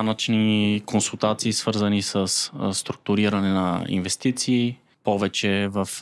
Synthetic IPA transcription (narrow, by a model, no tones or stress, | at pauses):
nət͡ʃnikonsulˠt̪at̪siːsvɤɾzənisəssːt̪ɾuk̚t̪ʊɾiɾənɛnə̰ḭnvɛst̪it̪siː | pɔvɛt͡ʃɛvəf